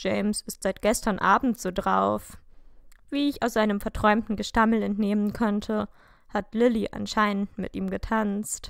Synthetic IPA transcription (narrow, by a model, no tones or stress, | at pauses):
d͡ʒeɪmsɪstz̥aɪt̚ɡ̥ɛstɐnʔaːbm̩tz̥oːdʁaʊf | v̥iːɪçaʊsz̥aɪnəmfɛɐtʁ̥ɔʏmtn̩ɡəʃtaml̩ɛntneːmənkʰɔntʰə | hatlɪliʔa̰nʃaɪnəntmɪ̰tʔiːmɡətʰanst